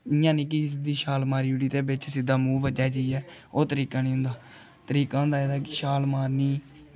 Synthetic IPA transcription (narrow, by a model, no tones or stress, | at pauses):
ɪjãːnĩːk̬ɪs̬d̪iːʃaːlmaːɾiːuɽiːt̪eːbɪt͡ʃsɪd̪aːmuːbəd͡ʒaːd͡ʒeiːɛːoːt̪əɾiːkãːnĩːɦʊ̃nd̪aː | t̪əɾiːkãːɦʊ̃nd̪aːeːd̪aːkɪʃaːlmaːɾniː